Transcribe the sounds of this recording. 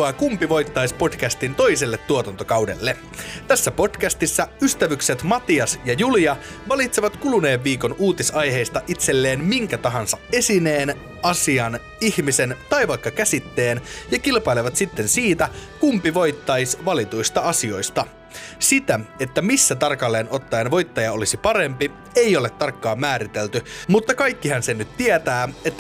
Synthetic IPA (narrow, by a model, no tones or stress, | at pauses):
ɑkumpiʋo̞jt̪ːɑispo̞dkæst̪int̪o̞iselːet̪ːuot̪ɑnt̪okɑwde̞̰lːe | t̪æsːæpo̞dkæst̪isːæyst̪æʋykse̞t̪mɑt̪iɑsjɑjuliɑ | ʋɑlit̪seʋɑt̪kulune̞ːʋːiːko̞nuːt̪isɑjɦe̞jst̪ɑʔit̪se̞lːe̞ːnmiŋkæt̪ɑɦɑnsɑe̞sine̞ːn | ɑsiɑn | ihmise̞nt̪ɑjʋɑjkːɑkæsit̪ːe̞ːnjɑkilpɑileʋɑt̪sit̪ːensiːt̪ækumpiʋo̞jt̪ːɑjsʋɑlit̪uist̪ɑɑsio̞jst̪ɑ | sit̪æe̞t̪ːæmisːæt̪ɑrkɑlːe̞ːno̞t̪ːɑjenʋo̞jt̪ːɑjɑo̞lisipɑɾe̞mpi | ejo̞let̪ːɑrkːɑːmmæːɾit̪e̞lt̪ymut̪ːɑkɑjkːiɦɑnsenːyt̪t̪iet̪æːet̪ːæ